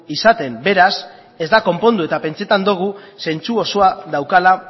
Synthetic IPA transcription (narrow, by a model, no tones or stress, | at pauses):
isat̪e̞mbe̞ɾas | e̞zd̪ako̞mpo̞nd̪ue̞t̪ape̞nt͡se̞t̪and̪oɣ̞use̞nt͡suo̞so̞aðawkala